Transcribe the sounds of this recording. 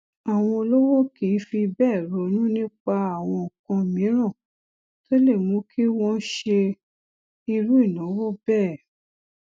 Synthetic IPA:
a˨w̃ɔ̃˧o˧lo˦wo˦ki˨˦fi˧bɛː˦˨ɾo˨˦nũ˦nĩ˦k͡pa˧a˨w̃ɔ̃˧ɔ˨kɔ̃˧˨mĩ˨˦ɾ̃ã˦˨ | to˦le˦˨mũ˨˦kʰi˦w̃ɔ̃˦ʃe˧ | i˧lu˦i˦˨nɔ̃˨˦wɔ˦bɛː˦˨

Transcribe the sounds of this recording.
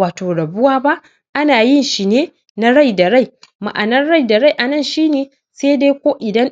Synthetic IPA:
aː˨toː˨ɽɐ˨bʊ˦waː˦ba˦ʔ | ʔa˦naː˨jɪ˦nʃi˨neː˦ | na˦ɽa˦˨jda˨ɽa˦˨j | ma̰˨ʔa˨nɐ˦nɽa˦jda˨ɾa˦˨jʔa˨nɐ˦˨nʃiː˦neː˨ | se˦de˦kʷoː˦ʔɪ˨dɐ˦n

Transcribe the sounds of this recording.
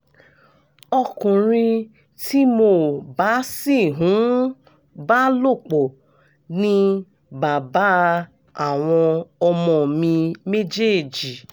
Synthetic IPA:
ɔ˧kũ˨ɾ̃ĩ˧ | tʰi˦mo˧˨ba˨˦si˦˨ɦũ˨˦ | ba˦lo˦˨k͡po˨ | nĩ˧ | ba˨ba˦ | a˨w̃ɔ̃˧ɔ˧mɔ̃˧˨mĩ˧me˦d͡ʒe˦˨d͡ʒi˨

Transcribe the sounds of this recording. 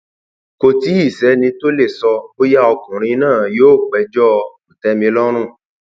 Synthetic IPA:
ko˨ti˨˦i˦˨sɛ˨˦nĩ˧to˦le˦˨sɔ˧o˦ja˦ɔ˧kũ˨ɾ̃ĩ˧˦nãː˦˨joː˨˦˨k͡pɛ˧d͡ʒɔ˦˧u˨tɛ˧˦mĩ˧lɔ˦ɾ̃ũ˦˨

